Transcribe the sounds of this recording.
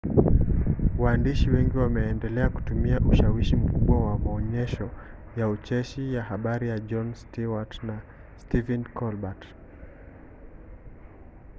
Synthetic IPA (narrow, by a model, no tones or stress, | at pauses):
waːndiʃiwɛŋɡiwamɛːndɛlɛaku̥tumiaʔuʃawiʃim̩kuɓwawamaɔɲɛʃɔjaut͡ʃɛʃijahaɓaɾijad͡ʒɔnstiwatna | stivɛnkʰɔlbat